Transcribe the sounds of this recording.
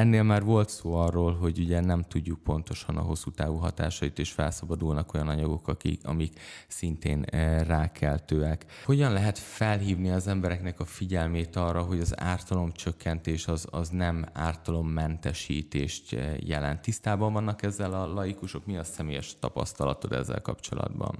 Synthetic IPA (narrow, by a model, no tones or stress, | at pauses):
ɛnːeːlmaːrvo̞lt̪soːɒrːoːlɦo̞ɟuɟɛnɛmt̪uɟːuk̚po̞nt̪o̞ʃɒnɒ̰ɦo̞sːuːt̪aːvuɦɒt̪a̰ːʃɒit̪eːʃfɛ̰lsɒbɒd̪ulnɒko̞jɒnɒɲɒɡo̞kɒkḭɒ̰miksint̪ḛːnraːkʰɛlt̪øːɛkho̞ɟɒnlɛɦɛt̪fɛlɦiːvniɒzɛmbɛɾɛknɛkɒfiɟɛlmeːt̪ɒrːɒɦo̞ɟɒza̰ːrt̪ɒlo̞mt͡ʃøkːɛnt̪eːʃɒzɒznɛmaːrt̪ɒlo̞mːɛnt̪ɛʃiːt̪eːʃt̪jɛ̰lɛ̰nt̪ːist̪aːbɒɱvɒnːɒkɛzːɛlɒlɒjikuʃo̞kmiɒsɛmeːjɛʃt̪ɒpɒ̰st̪ɒlɒt̪o̞d̪ɛ̰zːɛ̰lkɒ̰pt͡ʃo̞̰lɒ̰d̪bɒ̰n